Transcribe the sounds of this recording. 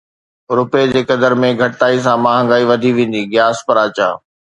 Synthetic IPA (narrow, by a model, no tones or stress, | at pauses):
ɾʊped͡ʑeːkɐd̪əɾmẽɡʱɐʈʈaːis̬ãmaːɦə̃ŋɡaːiʋɐd̪ʱiʋẽːn̆d̪iɡɪjaːspɐɾaːt͡ɕa̰ː